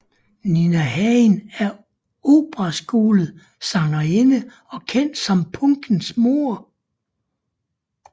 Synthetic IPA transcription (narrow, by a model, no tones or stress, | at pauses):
ninæhɛnæɐ | oːb̥ʁɐsɡ̥o̝ːlð̩ˠ | sɑ̈ŋlɐe̝nə | ɒ̽kʰen̰d̥sɒ̽mpʰɔŋɡ̥n̩smo̝ɐ